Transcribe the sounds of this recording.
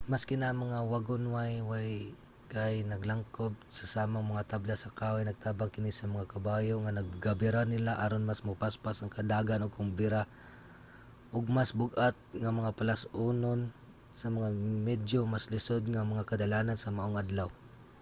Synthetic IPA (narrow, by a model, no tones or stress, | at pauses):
maskɪnamɐŋawaɡʊnwajwaj | kajnɐɡlaŋkob̚sasaːmaŋmɐŋat̪ablasakaːwajnɐɡ̚t̪aːbaŋkɪnɪsɐmɐŋakabaːjoŋanɐɡ̚ɡabɪɾanɪlaʔaɾonmasmʊpaspasaŋkɐd̪aːɡanoɡ̚kʊmbɪɾa | ʔʊɡ̚masbʊɡʔat̪̚ŋamɐŋapalasunon | sɐmɐŋamɛd̪jomaslɪsod̪̚ŋamɐŋakad̪alaːnansɐmaʔoŋʔad̪law